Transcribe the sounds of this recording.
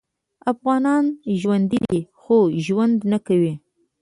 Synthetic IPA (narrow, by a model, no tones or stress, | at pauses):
afɣɑnɑnʒwand̪id̪ixoʒwand̪nakawi